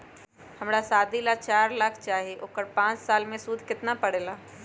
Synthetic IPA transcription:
hɐmɾasaːd̪ilat͡ʃaːɾlaːkʰt͡ʃaːɦieʔoːkəɾpãːt͡ʃsaːlmẽsuːd̪ʱkɪt̪napəɽeːlaː

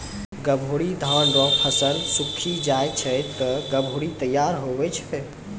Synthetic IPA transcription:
ɡəbʱuɽid̪ʱãnɾɔ̃pʰəsənsukʰid͡ʒajt͡ʃʰəjt̪ːəɡəbʱuɽit̪əjːaɾɦobɛt͡ʃʰɛ̥

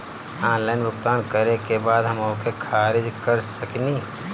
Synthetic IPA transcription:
aːnlaːɪnbʱʊkt̪aːnkəɾekebaːd̪ɦəmoːkekʰaːɾɪd͡ʒkəɾsəkni

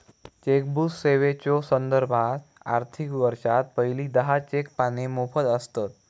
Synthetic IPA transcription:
t͡ɕek̚busːeʋet͡ɕosənd̪əɾbʱat̪a̰ɾt̪ʰikʋəɾʃat̪̚pəiliːd̪əɦat͡ɕekpanemofʰəd̪əst̪at̪̚

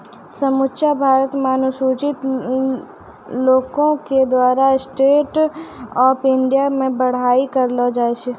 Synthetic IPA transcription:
səmʊtːʃabʱaːɾət̪maːnʊsuːt͡ʃɪt̪ | loːkõked̪waːɾasʈeːʈɔːpɪ̃ɳɖijamẽbəɽ̤aːikəɾlod͡ʒaːeʃe

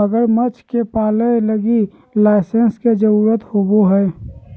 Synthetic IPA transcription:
əɡəɾmət͡ʃkepaːlələɡi | laːɪsensked͡ʒəɾuːɾət̪hoːboɦɛː

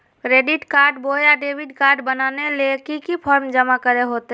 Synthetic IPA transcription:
kɾeːɖɪʈkaːɾɖbojaɖeːʋɪɖkaːɾɖbənaːnelekikipʰɔːɾmd͡ʒəmakəɾeɦoːt̪

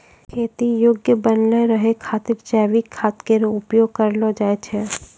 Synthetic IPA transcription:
kʰeːt̪ijoːɡjəbənləɾəɦekʰaːt̪ɪɾd͡ʒɛːʋikʰːaːt̪keɾʊpjoːɡ̚kəɾlod͡ʒaːet͡ʃʰɛː

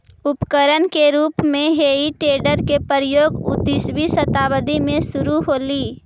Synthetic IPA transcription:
ʊpkəɾənkeɾuːpmẽɦeːiʈeːɖəɾkepəɾəjoːɡʊd̪ɪʃʋisət̪aːʋəd̪imẽsʊɾuɦoːliː

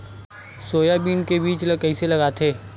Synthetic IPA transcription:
soːjabiːnkebiːt͡ʃlkɐɦiselɐɡaːt̪ʰeː

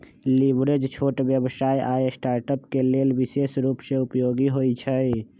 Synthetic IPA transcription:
libɾed͡ʒt͡ʃʰoʈbjəbsaiʔaesʈaːɾʈəpkelelbisesɾupseupjoɡiɦoit͡ʃʰəj

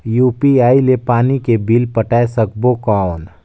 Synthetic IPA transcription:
juːpiaːilepaːnikebilpəʈaːesəkbokaːn

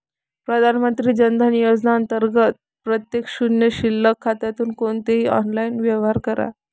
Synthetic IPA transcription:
pɾəd̪ʱanmənt̪ɾiːd͡ʑənd̪ʱənijod͡znaənt̪əɾɡət̪̚ | pɾət̪jekɕunjəɕilːəkʰːat̪jat̪uːnkont̪eɦiːɔ̰nlainʋjeʋɦaɾkəɾa̰

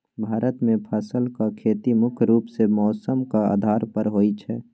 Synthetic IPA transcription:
bʱaːɾət̪mẽpʰəsəlkakʰeːt̪imʊkʰɾuːpsemɔːsəmkaa̰ːd̪ʱaːɾpəɾɦoːit͡ʃʰɛː

